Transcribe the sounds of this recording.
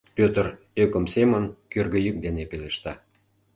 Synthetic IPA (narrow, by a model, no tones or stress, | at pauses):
pøt̪ər | økə̆msemənkørɣø̆jyk̚d̪enepeleʃt̪ɑ